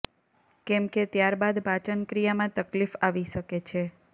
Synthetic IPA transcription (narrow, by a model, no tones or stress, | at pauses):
kɛmket̪jaɾbad̪bʱat͡ʃənkɾijamãt̪əklifaʋiʃəket͡ʃʰe